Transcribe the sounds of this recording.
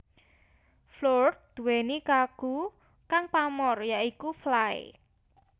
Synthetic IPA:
flord̪̚d̪̥ṳwenikaɡ̥ṳ | kaŋpamɔrjaikuflaɪ̰

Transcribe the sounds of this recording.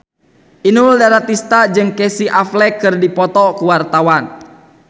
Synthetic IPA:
ʔinuldaɾat̪ist̪ad͡ʒɨŋkɛsiʔaflɛkɨrdipɔt̪ɔkuwart̪awan

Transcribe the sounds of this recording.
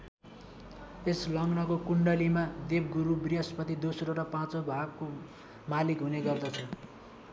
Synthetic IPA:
eslʌŋnʌkokuɳɖʌlimad̪eb̚ɡuɾubrijʌspʌt̪ʰid̪osɾoɾʌpãt͡sobʱaɡ̚ko | malikɦuneɡʌrd̪ʌt͡sʰʌ

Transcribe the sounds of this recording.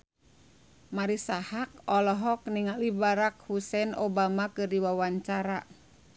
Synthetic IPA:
maɾisahak̚ɔlɔɦɔk̚niŋalibaɾak̚husɛnobamakɨrdiwawaɲt͡ʃaɾa

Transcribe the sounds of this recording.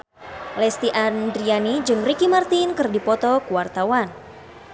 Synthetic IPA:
lɛst̪iʔandɾianid͡ʒɨŋrikimart̪inkɨrdipɔt̪ɔkuwart̪awan

